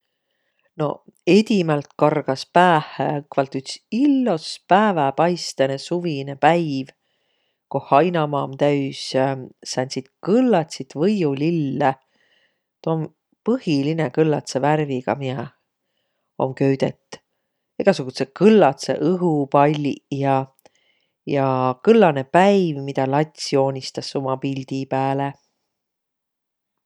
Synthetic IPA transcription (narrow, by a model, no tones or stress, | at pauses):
no̞̰ed̪̥ʲimɑlt̪kɑrɡ̥ɑspæːhekvɑlt̪ːˑyt̪silːospæːvɛpɑjst̪enesuvinepæjv | kohɑjnɑmɑːmt̪æɥsɑsɑnʲsit̪kɤlːɑt̪ʲsit̪vɤjulilːe | t̪oom | pɤhilinekɯlːɑt̪seværviɡ̥ɑ̰miɑ | o̞̰mkø̞ɥd̪̥et̪ːˑ | eɡ̥ɑsuɡ̥usekɯlːɑt̪sḛʔɯɦupɑlʲjɑ | jɑkɯlːɑnepæjvmid̪̥ɑlɑt̪ʲsio̞ːnʲist̪ɑsːomɑpilʲd̪̥ipæːle